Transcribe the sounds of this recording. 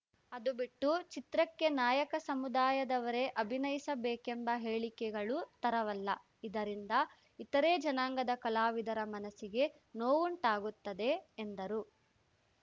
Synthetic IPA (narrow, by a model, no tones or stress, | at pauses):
ɐd̪ubiʈːut͡ʃit̪ɾɐkːe̞naːjɐkɐsɐmud̪aːjɐd̪ɐʋɐɾe̞ʔɐbʱinɐjisɐbeːkembɐɦeːɭikɛɡɐɭut̪ɐɾɐʋɐlːɐ | id̪ɐɾind̪ɐ | it̪ɐɾe̞ːd͡ʒɐnaːŋɡɐd̪ɐkɐlaːʋid̪ɐɾɐmɐnɐsiɡe̞ | noːʋuɳʈaːɡut̪ːɐd̪e̞ːnd̪ɐɾu